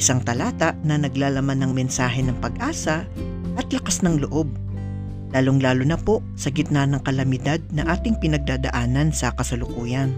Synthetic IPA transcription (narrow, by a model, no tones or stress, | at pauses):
ɪsaŋt̪ɐlaːt̪ɐʔnɐnɐɡlaːlɐmanːɐŋmɛnsaːɦɛnɐŋpɐɡʔaːsɐ | ʔɐt̪lɐkasnɐŋloʔo̞b̚ | laːloŋlaːlonɐpo̞ | sɐɡɪt̪̚nɐnɐŋkɐlɐmɪd̪ad̪̚nɐʔaːt̪ɪŋpɪnɐɡ̚d̪aːd̪ɐ̰ʔaːnɐnsɐkɐsɐlʊkuːjɐn